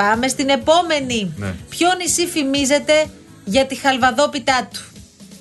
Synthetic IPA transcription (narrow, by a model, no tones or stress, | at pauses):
ɐme̞st̪ine̞po̞me̞nipçonisifimize̞t̪e̞ | ʝɐt̪ixɐlvɐðo̞pit̪ɐt̪u̥